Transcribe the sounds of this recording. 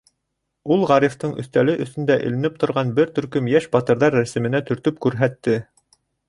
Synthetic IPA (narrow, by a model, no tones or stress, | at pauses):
ulˠʁɑɾift̪ɤɴʔɵ̰̆θt̪ælɘʔɵ̆θɵ̆nd̪æʔɵ̰̆lɘ̆nɘp̚t̪ŏɾʁɑnbɘɾt̪ɵ̆ɾkɵmjæʃbɑt̪ɤ̆ɾðɑɾːæsɘ̆mɘ̆næt̪ɵ̆ɾt̪ɵp̚kʉɾɦæt̪ːɘ